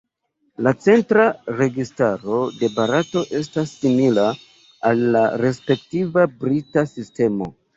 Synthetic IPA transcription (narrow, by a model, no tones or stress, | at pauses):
lat͡se̞ntɾaɾe̞ɡistaɾo̞de̞baɾato̞ʔe̞s̬tasːimilaː | lːaɾe̞spe̞ktivabɾitasiste̞mo̞̰